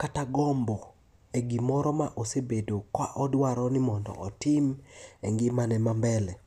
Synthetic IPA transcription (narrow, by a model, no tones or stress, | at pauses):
kataɡɔmbɔ | eɡimɔɾɔmaʔosebedokwaʔɔdwaɾɔnɪmɔndɔ̰ʔɔtɪmɛŋɡɪmanɛmambɛlɛ